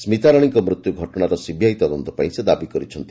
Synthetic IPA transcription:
smit̪aɾɔɽ̃iŋkɔmɾut̪juɡʱɔʈɔɽ̃aɾɔsibʱjaɦit̪ɔd̪ɔnt̪ɔpaĩsed̪abikɔɾit͡ʃʰɔnt̪i

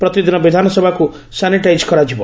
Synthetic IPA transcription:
pɾɔt̪id̪inɔbid̪ʱanɔsɔbʱaku | saniʈajd͡ʒkɔɾad͡ʒibɔ

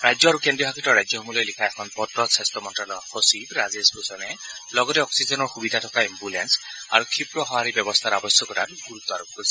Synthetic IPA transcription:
ɹajd͡ʒjɔaɾukendɹijɔɦakʰitɔɹajd͡ʒjɔɦɔmulɔjlikʰaekʰɔnpɔtɾɔsestɔmɔntɹalɔxɔsibɾazesbosɔnɛlɔɡɔtɛɔksizɔnɔɹxubid̪ʱatʰɔkaimbulensa̰ɹukʰipɹɔɦɔaɾibjɔbɔst̪ʰaɾabɔsjɔkɔta̰tɡuɾut̪ːɔaɾukːosi

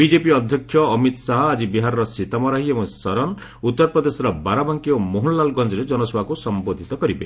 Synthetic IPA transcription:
bid͡ʒepiɔd̪ʱjɔkʰjɔːmit̪saɦɔad͡ʒibiɦaɾɔɾɔsit̪amɔɾaɦiebɔ̃sɔɾɔn | ut̪ːɔɾpɾɔd̪esɔɾɔbaɾabaŋkiomoɦulːalɡɔnd͡ʒɔɾed͡ʒɔnɔsɔbʱakusɔmbod̪ʱit̪ɔkɔɾibe

